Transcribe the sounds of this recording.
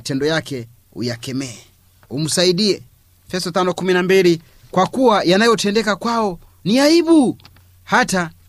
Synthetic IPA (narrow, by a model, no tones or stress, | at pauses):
tɛndɔjakɛ | ṵjakɛmɛɛ | um̩saiɗiɛ | fɛstɔtanɔkuminambili | kwakuwajanajɔtɛndɛkakwaɔ | niaiɓu | hata